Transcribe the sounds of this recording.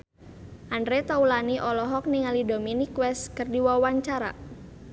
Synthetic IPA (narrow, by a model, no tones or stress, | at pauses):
ʔandɾet̪aulaniʔɔlɔɦɔk̚niŋalidominikwɛskərdiwawaɲt͡ʃaɾa̰